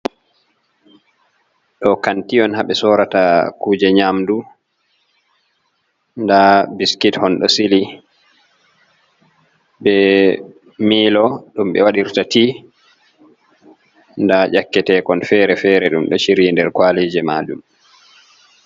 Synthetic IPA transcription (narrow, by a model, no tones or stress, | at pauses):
ɗɔkantiɔnhaɓɛsɔɾatakuːd͡ʒɛɲamdu | ndabiskithɔnɗɔ̰sili | bɛ | miːlɔɗumɓɛ̰waɗiɾtatiː | ndaʔakːɛtɛːkɔnfɛːɾɛfɛːɾɛɗumɗɔ̰ʃiɾindɛɾkwaleːd͡ʒɛmaːd͡ʒum